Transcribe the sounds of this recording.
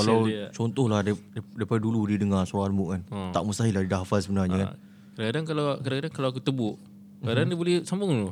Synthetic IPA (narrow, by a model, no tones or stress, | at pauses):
kalawt͡ʃɔnt̪ɔhlahdaddajpadaduludidəŋarsaanmukant̪aʔmust̪aɦilahdidaafalsəbənarɲəka̰n | kadaŋkadaŋkalakadaŋkadaŋkalawak̬ut̪əbʊʔ | kadaandiəbolɛsambʊŋlʊ